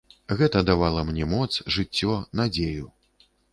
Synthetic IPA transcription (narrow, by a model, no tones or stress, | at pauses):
ɣɛt̪ɐd̪avalˠɐmnʲɛmɔt̪sʐɨt͡sʲːɔnad͡zʲeju